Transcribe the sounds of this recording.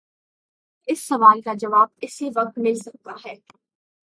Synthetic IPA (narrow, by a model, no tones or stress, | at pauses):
ɪsːɐʋaːlkad͡ʒɐʋaːb̚ɪsiʋɐk̚t̪mɪlsɐk̚t̪aɦɛː